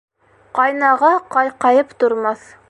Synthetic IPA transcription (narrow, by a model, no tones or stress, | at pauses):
qɑjnɑʁɑqɑjqɑjɤpt̪ŏɾmɑθ